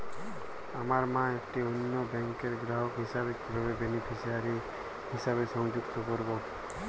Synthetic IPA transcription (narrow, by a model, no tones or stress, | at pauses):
əmaːɾmãːekʈeʊnːobɛ̃ŋkeːɾɡɾaːɦokɦɪsaːbet̪kʰəɾoʋebenepʰisiaːɾi | ɦɪsaːbesə̃ŋd͡ʒʊɡt̪okɔɾbo